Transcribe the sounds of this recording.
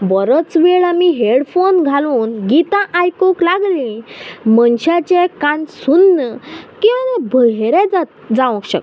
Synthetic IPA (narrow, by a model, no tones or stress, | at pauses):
bəɾət͡sʋeɭamiɦeɽfonɡʱaluːnɡit̪ãʔajkoklaɡlĩmənɕat͡ɕɛkãnsunːəkĩʋanɛbʱəɦɾɛd͡zat̪d͡zãʋəkɕə̰k